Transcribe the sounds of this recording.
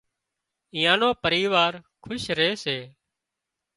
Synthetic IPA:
ɪ̃ːjãːnoːpəɾiːʋaːɾkʰʊʃɾeːseː

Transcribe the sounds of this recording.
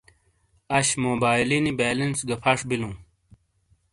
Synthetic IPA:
ɐɕmoːbaːjlinibeːlɐnsɡɐpʰɐʂbilũː

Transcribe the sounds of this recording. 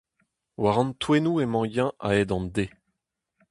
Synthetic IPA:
waʁɑ̃nt̪wenuemɑ̃jɛ̃ʔa̰ɛd̪ɑ̃nde

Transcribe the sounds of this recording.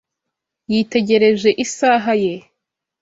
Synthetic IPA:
jiːte̞ɟe̞ɾe̞ʒe̞ʔisaːɦaje̞

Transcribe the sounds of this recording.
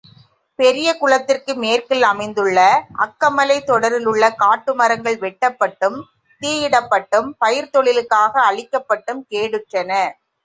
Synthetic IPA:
pɛɾɪjɐkʊɭɐt̪ːɪrkɯmeːrkɪlɐmɐɪnd̪ɯɭːɐʔɐ̰kːɐmɐlɐɪt̪ːɔɽɐɾɪlɯɭːɐkaːʈːɯmɐɾɐŋɡɐɭʋɛʈːɐpːɐʈːɯm | t̪iːjɪɽɐpːɐʈːɯmpɐjɪɾt̪ɔɭɪlɯkːaːɣɐːɭɪkːɐpːɐʈːɯmkeːɽɯʈrɐnɐ

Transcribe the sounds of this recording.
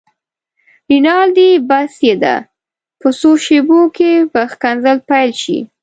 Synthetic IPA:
ɾinɑld̪ibasjed̪a̰ | pəsoʃebokepəxkanzəlpajlʃḭ

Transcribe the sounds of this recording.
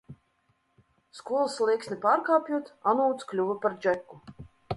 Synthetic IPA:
skuɔlˠslˠiksnʲipaːɾkaːpʲjuɔt̪anuwt̪sklʲuvapaɾd͡ʒɛkːu

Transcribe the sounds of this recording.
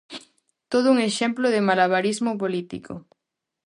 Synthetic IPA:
t̪oð̞ʊuŋeʃɛmploðemalaβ̞aɾizmopolit̪ḭkʰo̰

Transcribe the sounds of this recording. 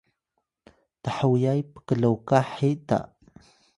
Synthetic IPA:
t̪aħəwijajpə̥kələwkaħit̪a̰ʔ

